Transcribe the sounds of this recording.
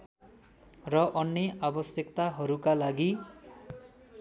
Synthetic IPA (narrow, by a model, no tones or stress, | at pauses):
rʌʔʌnːʌʔabʌsjʌkt̪aɦʌɾukalaɡi